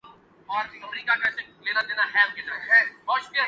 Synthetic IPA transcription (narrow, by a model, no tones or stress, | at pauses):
ɔːɾəmɾiːkakɛːseleːnad̪eːnaɦɛːmked͡ʒaɦɔːʃpia